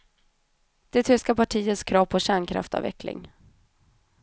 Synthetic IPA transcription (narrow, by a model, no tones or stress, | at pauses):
d̪̥ɛt̪ʰʏskapaʈʰiːət̪skʰɾɑːvpʰɔɕæːɳkʰɾa̰ft̪ɑ̰ːvɛ̰klɪ̰ŋ